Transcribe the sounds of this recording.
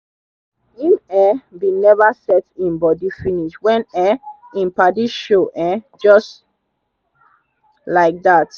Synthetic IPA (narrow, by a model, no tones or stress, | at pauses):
ĩmɛbinɛvasɛtĩnbɔdifiniʃwɛ̃nɛ | ĩnpadiʃoʔɛ | d͡ʒɔst | laɪk̚ðat